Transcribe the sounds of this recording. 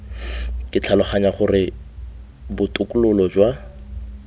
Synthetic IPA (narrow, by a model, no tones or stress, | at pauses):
kʼɪt͡ɬʰalʊχaɲaχʊrɪ | bʊtʼʊkʼʊlʊlɔd͡ʒwa